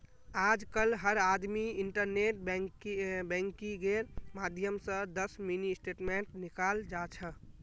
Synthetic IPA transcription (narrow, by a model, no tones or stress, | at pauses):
ad͡ʒkəlɦəɾad̪miiɳʈəɾneʈ̚bkbɛ̃ŋkiɡeɾmad̪ʱjəmsə̃d̪əsminisʈeʈmeɳʈnikald͡ʒat͡ʃʰə